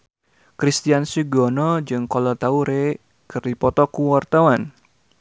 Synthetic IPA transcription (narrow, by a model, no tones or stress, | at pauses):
kɾist̪ijansiɡɔnɔd͡ʒɨŋkɔlɔt̪auɾe | kɨrdipɔt̪ɔkuwart̪awan